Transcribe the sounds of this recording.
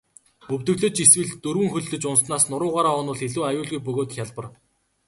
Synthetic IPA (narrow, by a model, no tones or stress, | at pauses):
ɵwt̪ɵ̆ɣɮɵ̆t͡ɕiswɘ̆ɮt̪ɵɾwɘ̆ŋxɵɮt̪ɵ̆t͡ɕʊnsnaːsnʊɾʊːʁaːɾaːɔnʊːɮeɮuːajʊːɮɣujpɵɣoːt̪̆xʲjaɮpə̆r